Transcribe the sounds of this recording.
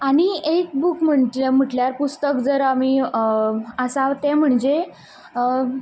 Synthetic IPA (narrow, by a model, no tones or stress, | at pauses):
aɽ̃iek̚bukm̤əɳm̤əʈljaɾpust̪əkd͡zəɾami | əsaʋt̪ɛ̃m̤əɳd͡ʑe